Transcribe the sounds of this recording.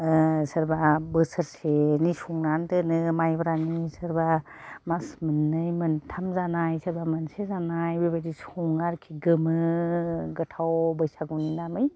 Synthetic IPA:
sɐɾbabəsəɾsenisuŋnantɯnɯmajbɾanisɯɾbamasmɯnːɯjmɯntʰamzanajsɐɾbamɯnsezanajbebadisuŋaɾkʰiɡɯmɯ | ɡɯtʰawbəjsaɡuwninamɯj

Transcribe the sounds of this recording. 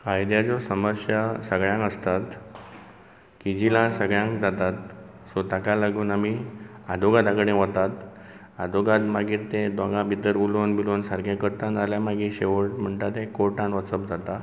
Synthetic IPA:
kajd̪jad͡zɔsəməɾɕjasəɡɭjãŋkəst̪at̪ | kid͡ʑilãsəɡɭjãŋkd͡zat̪at̪ | sɔt̪akalaɡuːnamiad̪ʱoɡad̪akɽẽɦɔt̪at̪ | ad̪ʱoɡat̪maɡiːɾt̪ẽd̪ʋãŋɡãbʱit̪əɾulonbilonsaɾɡjekəɾt̪analjamaɡiɕeʋəʈm̤əɳt̪at̪ẽkoʈaɳʋət͡səp̚d͡zat̪a

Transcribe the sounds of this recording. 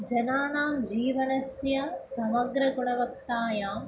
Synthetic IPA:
d͡ʒɐnaːnaːmd͡ʒiːʋɐnɐsjɐsɐmɐɡɾɐkuɽɐʋɐkt̪aːjaːm

